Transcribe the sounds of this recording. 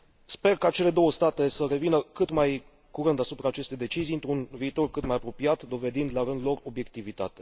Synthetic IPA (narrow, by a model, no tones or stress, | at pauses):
spe̞rkat͡ʃe̞le̞d̪o̞wəst̪at̪e̞səre̞vinəkɨt̪maj | kuɾɨnd̪asupɾaːt͡ʃe̞st̪e̞jd̪e̞t͡ʃizijɨnt̪ɾunviːt̪o̞rkɨt̪majapɾo̞pijat̪d̪o̞ve̞d̪ind̪laɾɨnd̪lo̞ro̞bje̞k̚t̪ivit̪at̪e̞̥